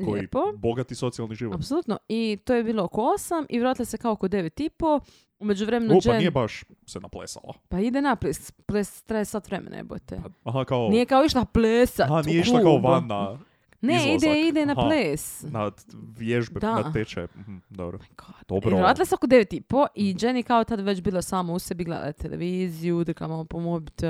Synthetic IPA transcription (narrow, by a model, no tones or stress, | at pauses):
leːpoboɡat̪iso̞t̪sialˠniʒiːʋoapsolˠut̪noit̪oːjebiːlookoosamiʋɾaːt̪ilasekaokod̪eʋet̪ipo | umed͡ʑuʋɾemenut͡ʃenijebaʃsenaplesa̰la̰paid̪enapleːspleːst̪ɾajesat̪ʋɾemḛna̰ḛbṵt̪ḛɦakaonijekaoiʃlˠapleːsaanijeiʃlakaoʋanːa | neid̪eid̪enapleːsnaʋjeʒbed̪aat̪et͡ʃah̩d̪obɾokod̪̥obɾeeɾoat̪lasãokod̪eʋet̪ipoʔid͡ʒenjekaot̪ad̪ʋet͡ɕbiːlˠosaːmausebiɡlḛːd̪a̰jt̪elḛʋiːzijud̪ɾkamampomobit̪